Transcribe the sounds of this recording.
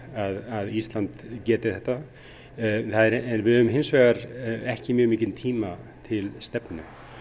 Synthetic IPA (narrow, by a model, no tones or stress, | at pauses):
aðaðist̪lant̪cɛːt̪ɪθɛht̪ːa | θaðɛɾɛnvɪðœːʏmɦɪnsvɛːɣaɾɛhcɪmjœːɣmiːcɪnt̪ʰiːmat̪ʰɪlst̪ɛpnʏ̰